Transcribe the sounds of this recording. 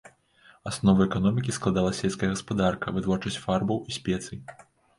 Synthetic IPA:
asnɔvɐɛkanɔmʲikʲisklˠad̪alˠɐsʲɛlʲskɐjɐɣɐspad̪arkɐvɨt̪vɔrt͡ʂɐsʲt͡sʲfarbɐwisʲpʲɛt̪sɨj

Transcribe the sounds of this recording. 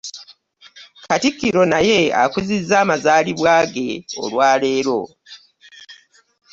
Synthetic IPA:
katikːiɾo̞naje̞a̰kuzizːaːmazaːliβwaːɡe̞o̞̰lwaːle̞ːɾo̞

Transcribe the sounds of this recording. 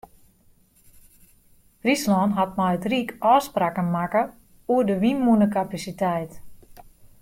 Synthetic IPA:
rislɔnɦat̚majətrikʔɔːspraːkənmakə | uədəʋinːunəkapasitɛjt

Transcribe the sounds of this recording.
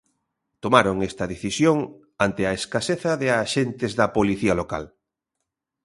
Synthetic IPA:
t̪omaɾoŋest̪ɐðeθisjoŋ | ant̪eaeskaseθɐðɪaʃent̪ezðɐpoliθialoka̰l

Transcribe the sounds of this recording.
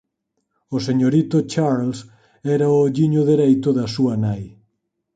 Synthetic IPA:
oseɲoɾit̪ot͡ʃaɾls | ɛɾaooʎiɲʊðeɾɛjt̪ʊðɐsuɐnaj

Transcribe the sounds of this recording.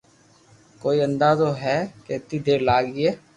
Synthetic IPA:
koːiːənd̪aːzoːɦɛːket̪iːd̪eːɾlaːɡɛː

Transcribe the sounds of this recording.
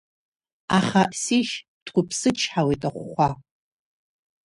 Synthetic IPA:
aχasiʃ | d̥ɡʷʰʊpʰsɨt͡ʃʰħawetʼaχʷχʷa

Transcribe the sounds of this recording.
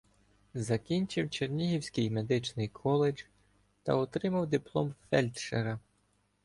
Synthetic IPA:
zɐkʲinʲt͡ʃɪwt͡ʃernʲiɦiwsʲkɪjme̞d̪ɪt͡ʃnɪjkʰɔlˠed͡ʒ̥ | t̪ɐ̰ɔt̪ɾɪmɐwd̪ɪplˠɔmfɛlʲt̪ʃeɾɐ

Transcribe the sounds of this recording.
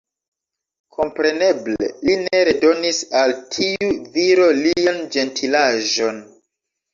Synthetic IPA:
kʰo̞mpɾe̞ne̞ble̞̰line̞ɾe̞do̞nisaltʰiuviɾo̞liand͡ʒe̞ntʰilaʒo̞n

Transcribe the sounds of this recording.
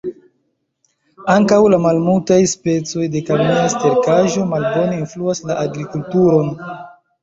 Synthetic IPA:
aŋkawlamalmultajspe̞t͡so̞jde̞kamiaste̞ɾkaʒo̞malbo̞ne̞influaslaʔaɡɾikultuɾo̞n

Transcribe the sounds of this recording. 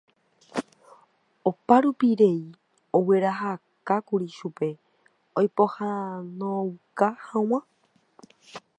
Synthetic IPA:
opaɾupiɾei | owe̞ɾaɦakakuɾiʃupe̞ | ojpohanõwkahãw̃ã

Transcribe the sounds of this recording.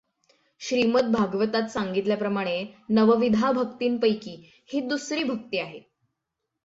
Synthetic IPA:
ɕɾimət̪̚bʱaɡʋət̪at̪saŋɡit̪ljapɾəmaɽ̃enəʋəʋid̪ʱabʱək̚t̪iːnpəjkiː | hiːd̪usɾiːbʱək̚t̪iːaɦe

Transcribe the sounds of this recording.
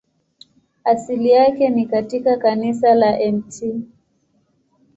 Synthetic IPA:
asilijakɛnikatikakanis̬alaʔɛmtʰi

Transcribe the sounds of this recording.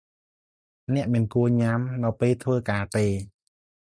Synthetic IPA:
nɛ̆əʔmiənkuəɲamnɨwpeːlt̪ʰʋəːkaːt̪eː

